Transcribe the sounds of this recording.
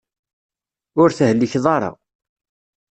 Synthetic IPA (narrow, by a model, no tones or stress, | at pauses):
ʊɾθəhəlːiçðˤɑɾˤɑ̰